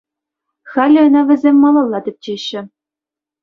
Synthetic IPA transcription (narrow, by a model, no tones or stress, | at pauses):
xɑlʲɘ̆ɤ̆nɑʋʲɘ̆zʲemʲːɑlˠɑlˠːɑt̪ʲɘ̆p̚t͡ɕeɕːɘ̆